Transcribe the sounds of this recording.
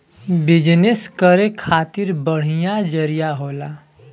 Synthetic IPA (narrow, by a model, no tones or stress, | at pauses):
bɪd͡ʒneskəɾekʰaːt̪ɪɾbəɽ̤ijad͡ʒəɾijaɦoːlaː